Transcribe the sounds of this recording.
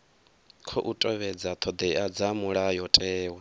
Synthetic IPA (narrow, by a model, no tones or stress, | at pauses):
kʰɔʔutʼɔβɛd͡zat̪ʰɔd̪ɛad͡zamuɺajɔtʼɛːwɛ